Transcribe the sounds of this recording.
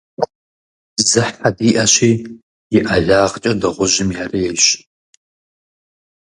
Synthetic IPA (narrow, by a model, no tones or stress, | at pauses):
zɨħħadiʔaʃiː | jɪʔaɮaːʁt͡ʃʼɐdɐʁʷʊʒɪmjareːʃ